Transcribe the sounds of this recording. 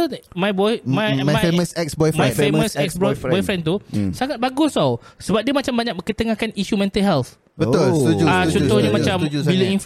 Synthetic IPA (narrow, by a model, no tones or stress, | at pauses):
majbɔjmãjmaeməsɛksbɔjfmaɛ̃jfemmə̃sɛksbɔjbɔjfɾɛnt̪usaŋat̪̚baɡʊsawsəbap̚d̪iəmat͡ʃambaɲak̚məŋkət̪əŋakaniʃumɛ̃nt̪əlɦɛlθ | bət̪ʊlat͡ʃɔ̃t̪ɔhɲamat͡ʃambiləinf